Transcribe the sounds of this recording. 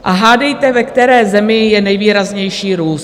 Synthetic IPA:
ʔaɦaːdɛjt̪ɛvɛkt̪ɛɾɛːzɛmɪjɛnɛjviːɾazɲɛjʃiːɾuːs

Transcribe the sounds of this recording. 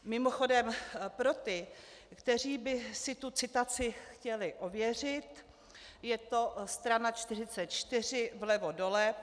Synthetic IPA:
mɪmoxo̞dɛmpɾo̞t̪ɪkt̪ɛr̝iːbɪsɪt̪ut͡sɪt̪at͡sɪxcɛlɪʔovjɛr̝ɪt̪ | jɛt̪o̞st̪ɾanat͡ʃt̪ɪr̝ɪt͡sɛt̪̚t͡ʃt̪ɪr̝ɪvlɛvo̞do̞lɛ

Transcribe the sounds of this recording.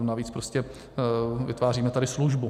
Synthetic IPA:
naviːt͡spɾoscɛ | vɪ̰t̪vaːr̝iːmɛt̪adɪsluʒbu

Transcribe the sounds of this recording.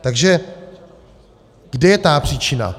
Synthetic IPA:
t̪aɡʒɛ | ɡ̥dɛjɛt̪aːpr̥iːt͡ʃɪna̰

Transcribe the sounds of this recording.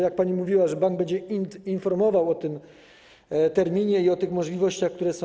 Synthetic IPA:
jak̚paɲimuvʲiwaʐɛbaŋɡ̚bɛɲd͡ʑɛiinfɔɾmɔvawɔt̪ɘm | t̪ɛɾmʲiɲɛiɔt̪ɘxmɔʐlʲivɔɕt͡ɕaxkt̪uɾɛsɔ̃

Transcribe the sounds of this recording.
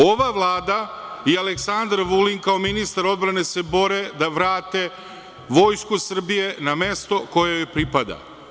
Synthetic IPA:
o̞ʋaʋlˠaːd̪aialeksand̪ɾʋuliŋkao̞minist̪aɾo̞d̪bɾane̞se̞bo̞ɾe̞d̪aʋɾaːt̪e̞ | ʋo̞jskusr̩bije̞name̞st̪o̞ko̞jejopɾipad̪a̰

